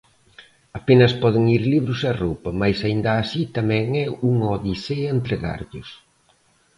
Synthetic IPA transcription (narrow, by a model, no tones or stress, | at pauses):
apenɐspɔðɪŋiɾliβɾʊsɛrowpɐmajsaind̪ɐːsit̪amɛ̃ŋɛuŋɔðiseɐent̪ɾeɣa̰ɾʎʊs